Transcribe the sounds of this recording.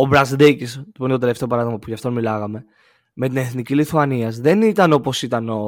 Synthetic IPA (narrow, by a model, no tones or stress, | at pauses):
obɾɐzd̪ecist̪ipuinet̪oeleft̪e̞o̞pɐɾɐðiɣmɐpuʝɐft̪o̞nmilɐɣɐme̞ | me̞t̪ine̞θniciliθuɐniɐzðe̞nit̪ɐno̞po̞sit̪ɐno